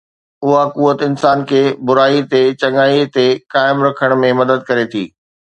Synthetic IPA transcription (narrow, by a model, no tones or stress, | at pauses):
ʊɦakuːət̪ɪnsaːnkʰeːbʊɾaːit̪et͡ɕɐŋaːit̪ekaːɪmɾɐkʰəɽ̃mẽmɐd̪əd̪̚kɐɾet̪ʰḭː